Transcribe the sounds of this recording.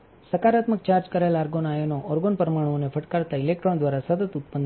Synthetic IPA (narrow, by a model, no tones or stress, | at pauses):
səkaɾat̪mək̚t͡ʃaɾd͡ʒkəɾelaɾɡonajonoʔɔɾɡonpəɾəmaɽ̃onefʰəʈkaɾt̪ailek̚ʈɾond̪ʋaɾasət̪ət̪ut̪̚pənd̪